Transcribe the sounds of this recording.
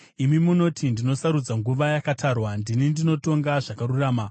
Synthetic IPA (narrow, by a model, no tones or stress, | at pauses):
imimuno̞tʰindino̞saɾud͡zaŋɡuʋajakatʰaːrwandinindino̞to̞ŋɡaʐakaɾuraːma